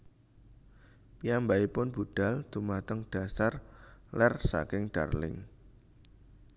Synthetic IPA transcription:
pijambaipʊnbṳɖ̥a̤ld̪̥umat̪əŋd̥a̤sarlɛrsa̰kɪŋɖ̥arlɪ̰ŋ

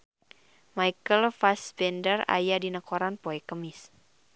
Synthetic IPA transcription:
majkəlfasbɛndəra̰jadinəkɔɾanpɔɛkəmɪs

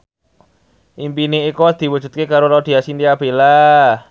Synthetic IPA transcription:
ʔimpineikod̪̥i̤wu̥d͡ʒ̥ṳt̪̚kekaɾolad̪̥i̤asint̪iab̥e̤la

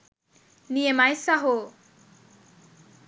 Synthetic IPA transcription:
nijemajsaɦo

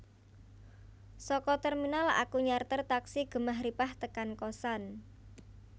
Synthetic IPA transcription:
sɔkɔt̪ɛrminala̰kuɲart̪ərt̪aksiɡ̥ə̤maɦɾipaht̪əkankɔsan

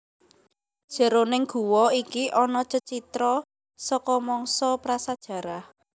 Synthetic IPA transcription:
d̥ʒ̥ə̤ɾonɪŋɡ̥ṳwɔikiʔɔnɔt͡ʃət͡ʃit̪ɾɔ | sɔkɔmɔŋsɔpɾasad̥ʒ̥ä̤ɾah

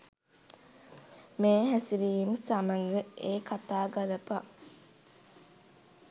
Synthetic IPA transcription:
meːɦæsiɾiːmsamɐŋɡəʔeːkat̪aːɡaləpa

